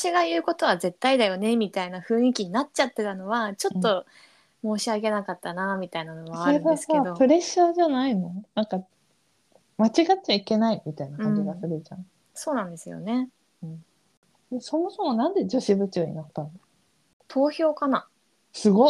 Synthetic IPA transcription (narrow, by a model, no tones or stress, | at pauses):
ɕiɡajɯ̟ːko̞t̪o̞βaze̞t̪ːaid̪ajo̞ne̞mʲit̪ainaɸɯ̟̃ːĩkʲiɲ̟inatt͡ɕat̪ːe̞t̪ano̞βat͡ɕo̞t̪ːo̞ | mo̞ːɕiake̞nakat̪ːanamʲit̪ainanoβaaɾasskaed̪opɯ̟ɾe̞ɕaʑanaino̞nãŋka | mat͡ɕiɡatt͡ɕːaike̞naimʲit̪ainakãɲ̃d͡ʑiɡasɯɾɯ̟t͡ɕã̰ | so̞ːnãnd̪e̞sɨjo̞̰ne̞ | ɯ̟̃ɴ | d̪eso̞mo̞so̞mo̞nãnd̪e̞d͡ʑo̞ɕibɯ̟t͡ɕoːɲḭnot̪ːano | t̪ʰo̞ːço̞ːkana | sɨɡo̞